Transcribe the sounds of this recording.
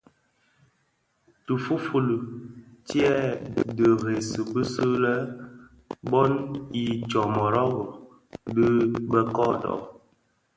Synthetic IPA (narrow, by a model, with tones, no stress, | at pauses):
tu˨fu˦fu˨lu˨ti˦ɛ˦˨də˨ɣe˨sə˨pə˦sə˦lə˦ | bɔ˦ni˨t͡ʃɔ˨mɔ˨ɾɔ˦ɣɔ˨ | bi˦bə˦kɔ˦dɔ̰˨